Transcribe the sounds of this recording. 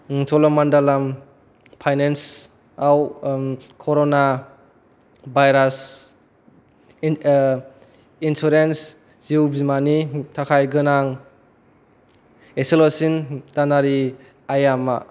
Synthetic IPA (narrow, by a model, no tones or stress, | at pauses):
sɔlɔmandalam | pʰajnens | aw | kʰɔɾona | bajɾas | insuɾens | ziwbimanitʰakʰajɡɯnaŋ | eselosintanaɾi | ajama̰